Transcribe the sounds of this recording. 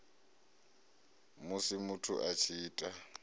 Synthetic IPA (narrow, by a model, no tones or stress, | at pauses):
mʊsɪmʊtʰʊ̰ʔat͡ʃʰiːtʼa